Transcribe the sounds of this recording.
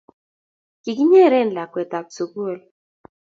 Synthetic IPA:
ki˨k̬i˦ɲe˦˨ɾɛ˦n˨la˨kwɛ˨ta˨k̚so˨ɡo˦˨l

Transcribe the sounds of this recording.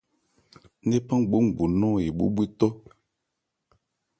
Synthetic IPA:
ne˦pã˦ŋ˨ɡ͡bu˨˦ŋ˨ɡ͡bu˨nɔ˦˨i˨ɓṵ˦ɓi˦t̪o˦

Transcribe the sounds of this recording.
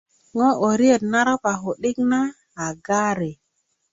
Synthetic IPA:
ŋo˦ʔo˨ɾi˦e˦˨tna˦ɾa˦pa˨ɦo˨ɗi˦knaː˦˨ | ɡa˦ɾe˨

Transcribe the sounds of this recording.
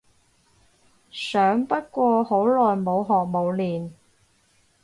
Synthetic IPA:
sœː˨˥ŋpɐ˥t̚kʷɔː˧ho˨˥wlɔː˨jmo˨˧wɦɔː˨k̚mo˨˧wliː˨n

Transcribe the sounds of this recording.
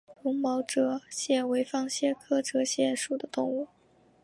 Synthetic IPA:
lʊ˧˥ŋmɑ˧˥ʊʈ͡ʂɤ˧˥ɕjɛ˥˩nwe˧˥ɪfɑ˥˩ŋɕjɛ˥˩kʰɤ˥ʈ͡ʂɤ˧˥ɕjɛ˥˩nʂu˥˩d̪ə˩˦t̪ʊ˥˧ŋu˥˩

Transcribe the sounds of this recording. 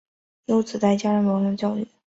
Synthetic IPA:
jo˧˥ʊt͡sɹ̩˨˩t̪a˥˩ɪt͡ɕja˥ɻə˧˥nwɑ˧˥ŋlə˥˧t͡ɕjɑ˥˧ʊy̰˥˩

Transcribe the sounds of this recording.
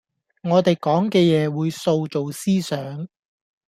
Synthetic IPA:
ŋɔː˨˧t̪e˨jkɔː˨˥ŋkɛː˧jɛː˨˧wuː˨˧jso˧wt͡ʃo˨wsiː˥sœː˨˥ŋ

